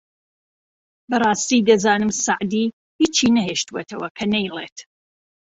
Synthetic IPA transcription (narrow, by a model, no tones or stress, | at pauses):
bɐrˤɑːst̪id̪ɐzaːnɨmsaʕd̪i | hiːt͡ʃiːnɐɦeːʃt̪uwet̪ʰɐwɐkʰɐnɛjlˠḛːt̪